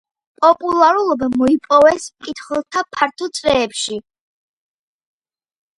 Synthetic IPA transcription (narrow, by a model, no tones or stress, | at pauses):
pʼɔpʼulˠaɾulˠɔbamɔipʼɔvɛskʼit̪ʰχɛlˠt̪ʰapʰaɾt̪ʰɔt̪sʼvɛːpʃi